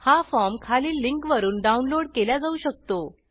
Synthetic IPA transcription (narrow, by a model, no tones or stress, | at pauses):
hafɔɾmkʰaliːlːiŋkʋəɾuːnɖaunloɽkeljad͡zauːɕək̚t̪o